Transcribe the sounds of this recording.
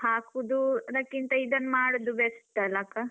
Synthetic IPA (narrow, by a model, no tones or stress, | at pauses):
haːkud̪ud̪ɐkːint̪ɐid̪ɐnmaːɽud̪ubest̪ːɐlakɐ